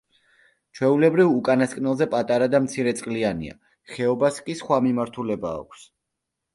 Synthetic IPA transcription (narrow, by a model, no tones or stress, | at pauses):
t͡ʃʰwɛulɛbɾivukʼanaskʼnɛlˠzɛpʼat̪ʼaɾad̪amt̪sʰiɾɛt̪sʼqʼlianḭa̰ | χɛɔbaskʼisχwamimaɾt̪ʰulɛba̰ːkʷʰs